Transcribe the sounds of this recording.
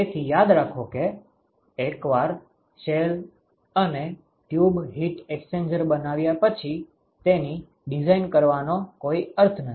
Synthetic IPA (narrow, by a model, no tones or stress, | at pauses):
et̪ʰijad̪ɾakʰokeː | kʋaɾ | ʃel | əne | ʈjubɦiʈeksend͡ʒəɾbənaʋjapət͡ʃʰi | t̪eni | ɖizainkəɾʋanokoiəɾt̪ʰnə